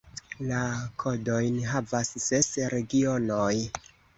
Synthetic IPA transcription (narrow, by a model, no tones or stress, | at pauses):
lakʰo̞do̞jnɦavasːesɾe̞ɡio̞noj